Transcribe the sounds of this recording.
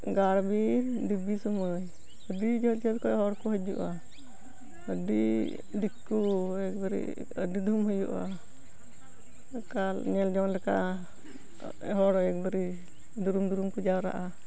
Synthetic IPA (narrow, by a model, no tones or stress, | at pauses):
ɡaɾbiɾdibisɔməj | ədid͡ʒɔlt͡ʃəlkɔʔɛɦɔɽkɔɦəd͡ʒṵʔa | əɖi | ɖikːuɛk̚bəɾḭ | ə̰ɖid̪ʱumɦɔjṵʔa̰ | kalɲɛld͡ʒɔnlɛka̰ | ɛɦɔɽɔɛk̚bəɾi | d̪uɾumd̪uɾumkud͡ʒawɾa̰ʔa